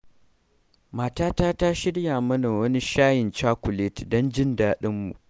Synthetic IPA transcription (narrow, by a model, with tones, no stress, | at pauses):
maː˨taː˦taː˦ta˦ʃɪ˦ɽja˨mɐ˦na˨wɐ˦ni˦ʃaː˦jɪ˨nt͡ʃaː˦kʷʊ˨le˦tdɔ˦nd͡ʒɪ˦ndaː˦ɗɪ˦mːṵ˨